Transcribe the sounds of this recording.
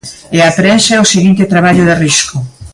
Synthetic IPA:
eapɾɛʃeosiɣint̪et̪ɾaβaʎʊðerisko

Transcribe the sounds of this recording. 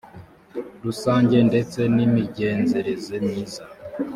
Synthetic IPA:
ɾusaːɲɟe̞nde̞t͡se̞nimiɟe̞ːnze̞ɾe̞zemɲiːza

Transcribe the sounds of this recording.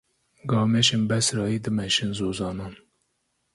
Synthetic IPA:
ɡɑːmeʃenbɛsɾɑːiːd̪ɨmɛʃɨnzoːzɑːnɑːn

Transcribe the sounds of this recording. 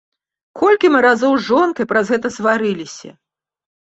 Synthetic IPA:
kʰɔlʲkʲimɨɾazɔwzʐɔnkɐjpɾɐzɣɛt̪ɐsvaɾɨlʲisʲɐ̰

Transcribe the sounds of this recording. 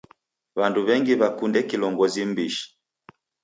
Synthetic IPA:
βanduβɛŋɡiβakundɛkilɔŋɡɔzim̩biʃi̥

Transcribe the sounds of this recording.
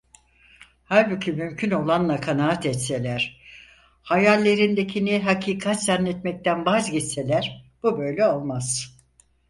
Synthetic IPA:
haɾbicʰimymcʰyno̞lˠanlˠakʰanaːat̪ɛt̪se̞lʲæɾ̥ | hajalʲːe̞ɾind̪e̞cʰiniɦacʰiːkʰat̪zanːɛt̪mɛc̚t̪ʰænbazɟit̪se̞lʲæɾb̥ubøjlʲɛo̞lˠmaz̥

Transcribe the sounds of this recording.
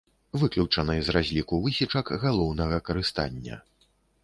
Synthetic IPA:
vɨklʲut͡ʂɐnɨjzrazʲlʲikuvɨsʲit͡ʂɐkɣalˠɔwnɐɣɐkɐɾɨst̪a̰nʲːɐ̰

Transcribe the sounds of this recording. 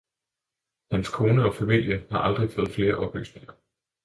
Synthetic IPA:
hænskʰo̝ːnəɒ̽fæmil̰jəhɑ̈ʔɑ̈ld̥ʁifɔ̽ːðˠfle̝ːɐʔɒ̽b̥ly̰ːsne̝ŋɐ

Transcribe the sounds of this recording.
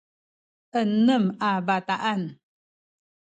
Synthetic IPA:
ʔənəmabat̪aʔan

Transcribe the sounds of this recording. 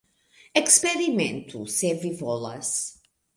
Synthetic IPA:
ɛkspeɾimẽnt̪ʰusevivɔlɐ̰s

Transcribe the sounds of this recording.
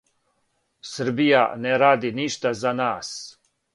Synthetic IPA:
səɾbija̰nɛɾaːd̪iniːʃt̪azanaːs

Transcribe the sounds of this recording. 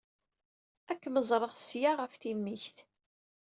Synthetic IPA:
ækːməzˤɾˤəʁsjaʁəfθimːiçθ

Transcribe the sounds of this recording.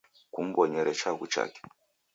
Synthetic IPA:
kum̩bɔɲɛɾɛt͡ʃakut͡ʃa̰kɛ̥

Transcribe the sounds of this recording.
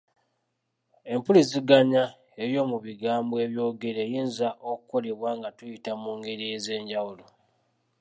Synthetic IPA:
e̞mpulis̬iɡaɲa | e̞βjo̞ːmuβiɡaːmbwe̞ːβjo̞ːɡe̞ɾeːjiːnzaʔokuko̞le̞βwaːŋɡatujitamuːŋɡe̞ɾieze̞ːɲɟawulo̞

